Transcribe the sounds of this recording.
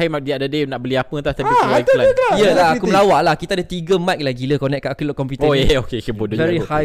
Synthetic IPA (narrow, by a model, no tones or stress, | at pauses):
imadiadadenaʔbəliapət̪aht̪ailajəlaakuəlawaʔlahkit̪aadət̪iɡəmat̪̚laɡiləkɔnɛʔ̚kaʔakulɔʔkɔmpiut̪əeokekəbodovɛɾihaj